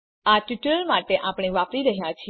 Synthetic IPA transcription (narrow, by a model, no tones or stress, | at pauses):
aʈuʈəɾəlmaʈeʔapɽ̃eʋapɾiɾəɦjat͡ʃʰi